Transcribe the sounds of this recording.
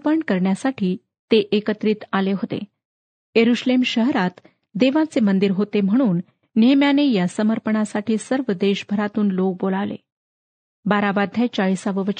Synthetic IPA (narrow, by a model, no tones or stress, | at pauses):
pəɳkəɾɳjasaʈʰiː | t̪eʔekət̪ɾiːt̪aleɦot̪ḛ | jəɾuɕlemɕəɦɾat̪ | d̪eʋãt͡semənd̪iɾɦot̪em̤əɽ̃uːnː | emjanejasəməɾpəɳasaʈiːsəɾʋəd̪eɕbʱəɾat̪uːnlok̚bolaʋlḛ | baɾabad̪ʱjat͡ɕaɭisaʋəʋə